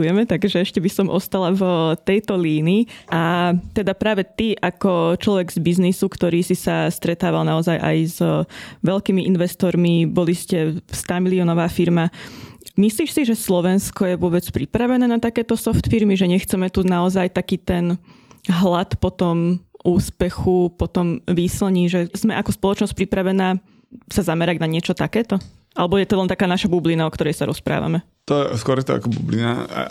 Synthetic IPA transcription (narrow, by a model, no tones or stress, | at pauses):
ujɛmɛt̪aɡʒɛɛʃcɛbisɔmʔɔst̪alavt̪ɛjt̪ɔliːniːʔat̪ɛd̪apɾaːʋɛt̪iʔakɔt͡ʃlɔʋɛɡzbiznisukt̪ɔɾiːsisast̪ɾɛt̪aːʋalnaɔzajʔa̰jzʋɛlkiːmiʔinʋɛst̪ɔɾmibɔliscɛst̪aːmiliɔnɔʋaːfiɾma | misliːʃsiʒɛslɔʋɛnskɔjɛʋʊɔbɛt͡spɾipɾaʋɛnɛːnat̪akɛːt̪ɔsɔft̪fiɾmiʒɛɲɛxt͡sɛmɛt̪unaɔzajt̪akiːt̪ɛnɦlat̪pɔt̪ɔmuːspɛxupɔt̪ɔmʋiːsl̩ɲiʒɛzmɛʔakɔspɔlˠɔt͡ʃnɔsc̚pɾipɾaʋɛnaː | sazamɛɾaɟnaɲɪɛt͡ʃɔt̪akɛːt̪ɔ | alɛbɔjɛt̪ɔlɛnt̪akaːnaʃabublinaɔkt̪ɔɾɛjsaɾɔ̰spɾa̰ːʋa̰mɛ | t̪ɔskʊɔɾjɛt̪ɔ̰a̰kɔbṵblina̰a̰